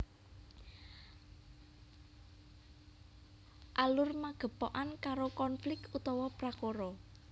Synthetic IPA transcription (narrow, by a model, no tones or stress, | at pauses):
ʔalʊrmaɡ̥ə̤pɔʔankaɾokɔnflɪk̚kut̪ɔwɔpɾakoɾɔ